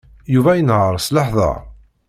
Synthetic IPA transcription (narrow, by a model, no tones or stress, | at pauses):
juvæjənhəɾˤsləħðˤɑ̰